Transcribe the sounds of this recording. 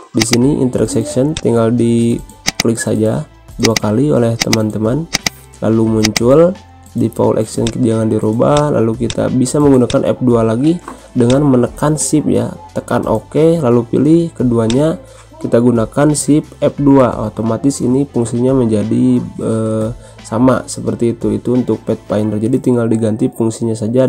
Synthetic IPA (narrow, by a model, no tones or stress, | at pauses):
disiniʔḭnt̪əɾɛksɛksənt̪iŋɡaldiklɪk̚sa̰d͡ʒa | duakalio̰lɛht̪əmant̪əman | la̰lumuɲt͡ʃʊl | difa̰ṵlʔɛ̰ksə̰nkd͡ʒaŋandiɾobala̰lukit̪a̰bisaməŋɡunakanʔɛ̰p̚dualaɡi | dəŋanmənəkansɪp̚ja̰t̪əka̰nʔo̰kelalupḭlɪhkəduaɲa | kit̪aɡunakansɪp̚ɛp̚duaʔo̰t̪omat̪ɪsḭnipuŋsiɲaməɲd͡ʒadiə | sama̰səpərt̪iːt̪uḭt̪uːnt̪ʊk̚pɛt̪̚paindərd͡ʒadit̪iŋɡaldiɡant̪ipuŋsiɲasad͡ʒa